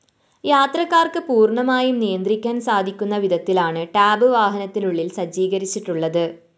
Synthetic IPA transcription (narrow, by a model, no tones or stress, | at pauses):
jaːt̪rɐkːaːrkɨpuːrɳɐmaːjumnijɐnd̪rikʲːaːnsaːd̪ʱikʲːunːɐʋid̪ʱɐt̪ːilaːɳɨʈaːbɨʋaːɦɐnɐt̪ːinuɭːilsɐd͡ʑiːɡɐɾit͡ɕːiʈːuɭːɐðɨ